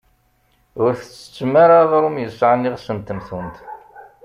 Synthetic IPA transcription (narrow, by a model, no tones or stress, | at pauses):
ʊɾθət͡sːə̥t͡sːəmːaɾaʁɾumjəsʕanːiʁsənt̪ːəmθənt̪